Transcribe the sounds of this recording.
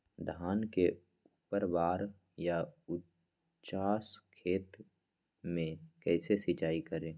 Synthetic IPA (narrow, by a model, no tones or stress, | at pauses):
d̪ʱaːnke | upəɾʋaːɾ | jaʊ | t͡ʃaːskʰeːt̪ | mẽkɛːsesɪt͡ʃaːikəɾẽː